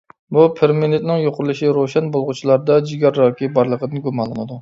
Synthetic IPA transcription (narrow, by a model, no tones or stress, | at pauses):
bupʰeɾmenet̪nɪŋjoqʊɾulˠɨʃiɾoʃɛnbolˠʁʊt͡ʃʰilˠɑɾd̪ɑd͡ʒiɡʲɑɾːɑːkʲʰibɑɾlˠəqʰəd̪ɨnɡumɑnlˠɨnɨd̪u